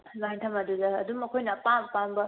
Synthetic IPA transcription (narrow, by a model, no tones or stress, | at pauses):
lantʰɐmɐdudɐːdumɐkʰojnɐpampambɐ